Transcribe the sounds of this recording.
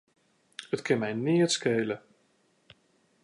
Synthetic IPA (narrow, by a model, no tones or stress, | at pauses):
ətkɪnmɛjnɪətskejlə